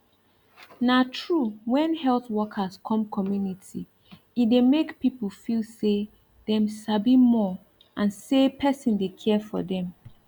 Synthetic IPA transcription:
natʰɹuwɛ̃nhɛlˠθwɔkʰəskʰɔ̃mkʰɔmjunitʰi | idemekpipəlfilse | dɛ̃msabimɔ | ʔãnsepʰɛsɔ̃ndekʰɛfɔ̰dɛ̃m

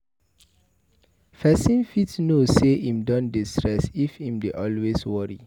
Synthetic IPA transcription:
fɛsĩnfitnoseʔĩmdɔ̃ndistʰɹɛsifĩmdeʔɔlweswɔɹḭ

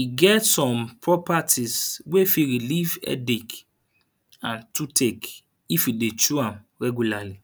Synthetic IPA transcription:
wiɡɛtsɔ̃mpʰɹɔpatʰiswefiɾilivɛ̰dik | ãntutʰek | ifidet͡ʃuãmɾɛɡulali

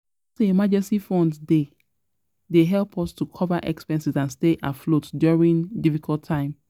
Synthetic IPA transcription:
toemad͡ʒɛ̃nsifɔ̃ndde | deɦɛlpʰɔstukʰɔvaʔɛ̰kspɛ̃nsizãnsteʔaflotdjuɹĩndifikʰɔltʰːãɪ̃m

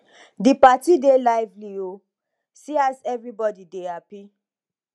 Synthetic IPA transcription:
dipatidelaɪvlio | siazɛvɹibɔdidehapi

